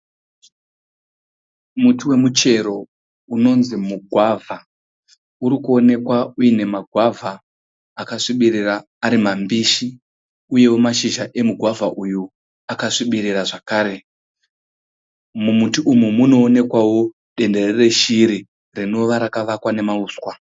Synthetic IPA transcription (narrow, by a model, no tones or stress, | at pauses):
mutiwe̞mut͡ʃe̞ɾo̞ | uno̞nzimuɡʱwavʱa | uɾikuo̞ne̞kwauine̞maɡʱwavʱaː | kaʂiɓiɾiraː | ɾimambiːʃi | uje̞wo̞maʃiʒaʔe̞muɡʱwavʱaʔuju | akaʂiɓiɾiraʐakaːɾe̞ | mumutiʔumumuno̞ːne̞kwawo̞ | ɗe̞nde̞rere̞ʃiɾi | rino̞ʋaɾakaʋakwane̞mauːswa